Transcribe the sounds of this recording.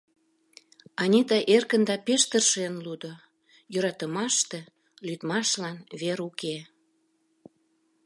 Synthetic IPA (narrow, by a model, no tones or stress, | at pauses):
ɑnʲit̪ɑʔerkənd̪ɑpeʃt̪ərʃenlud̪o | jøɾɑt̪əmɑʃt̪e | lyt̪mɑʃlɑnβeɾuke